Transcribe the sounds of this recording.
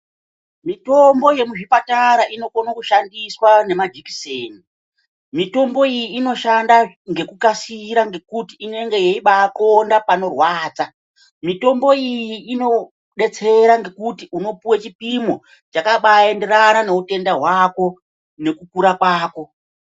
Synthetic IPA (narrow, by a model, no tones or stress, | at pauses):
mito̞mbo̞je̞muʐipataɾaʔino̞konakuʃandiswane̞mad͡ʒiki̥seːni | mito̞mbo̞ijiːno̞ʃanda | ŋɡe̞kukasiɾaŋɡe̞kutiːne̞ŋɡejeiɓakondapano̞rwaːt͡sa | mito̞mbo̞ijjiːno̞ | ɗe̞t͡se̞ɾaŋɡe̞kutiuno̞puwet͡ʃipimo̞ | t͡ʃakaɓaende̞ɾanane̞ute̞ndaɦwako̞ | ne̞kukuɾakwaːko̞